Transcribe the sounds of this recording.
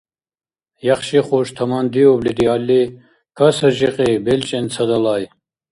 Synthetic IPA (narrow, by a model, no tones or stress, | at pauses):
jaχʃiχɔʃt̪ʰamand̪iɔblid̪ialːi | kʰasəʒiqʼibɛlt͡ʃʼɛnt͡sʰad̪alaj